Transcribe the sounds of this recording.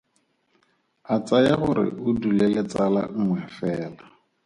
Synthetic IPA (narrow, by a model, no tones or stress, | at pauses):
at͡sʼajaχʊɾɪ̰ʔʊdulɛlet͡sʼala̰ŋ̩ŋwɛfɛːla